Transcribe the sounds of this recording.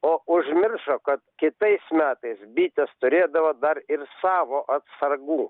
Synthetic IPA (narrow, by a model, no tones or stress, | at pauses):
oːʔʊʒʲmʲɪrʃoːkɐt̪kʲɪt̪ɐɪsmʲæːt̪ɐɪsbʲiːt̪ʲɛst̪ʊɾʲeːd̪ɐʋoːd̪ɐɾɪrsɑːʋoːʔɐt̪sɐrɡuː